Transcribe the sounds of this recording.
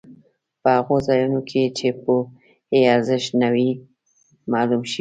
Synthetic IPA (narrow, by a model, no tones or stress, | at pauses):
pəhaɣozɑjunokʰet͡ʃepə | eaɾzɪʃnawi | mɑlumʃ